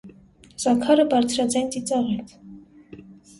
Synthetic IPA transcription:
z̥ɑkʰɑɾəbɑɾt͡sʰɾɑd͡zɑjnt͡sʼit͡sɑʁɛɾt̪ʰ

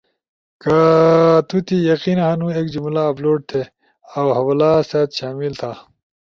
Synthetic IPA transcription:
kɐt̪ut̪ijɐqinɦɐnũeːkd͡ʑumlaːploːɖ̚t̪ʰe | awɦɐwlaːsaːt̪ɕaːmilt̪ʰaː

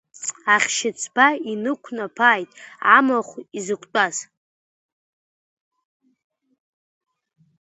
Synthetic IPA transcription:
aχʲʃɪt͡sʰbainɨkʷʰnapʰaːjtʼʕamaχʷizɨkʷʰʼt͡pʼaz

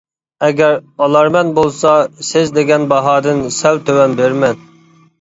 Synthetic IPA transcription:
ɛɡʲɛɾɑlˠɑɾmɛnbolˠsɑsɪzd̪eɡʲɛnbɑɦɑːd̪ɨnsɛwt̪ʰøwɛnbeɾmɛn

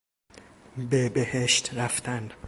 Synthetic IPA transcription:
bebeheʃt̪ɾæft̪ʰænd̪

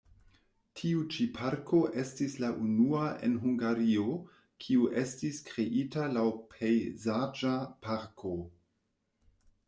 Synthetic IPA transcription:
tʰiut͡ʃipʰaɾkʰo̞ʔe̞stislaʔunuaʔḛnɦuŋɡaɾio | kʰiuʔe̞stiskɾe̞ʔitalawpʰejzad͡ʒapaɾkʰo

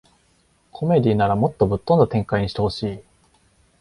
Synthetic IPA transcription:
kʰo̞me̞d̪ʲiːnaɾamo̞t̪ːo̞bɯ̟t̪ːo̞nd̪at̪ẽ̞ŋkaiɲiɕi̥t̪e̞ho̞ɕiː

